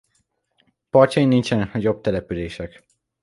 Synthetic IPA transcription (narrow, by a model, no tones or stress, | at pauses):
pɒrt͡ʃɒinint͡ʃɛnknɒɟo̞b̚t̪ɛlɛpyleːʃɛk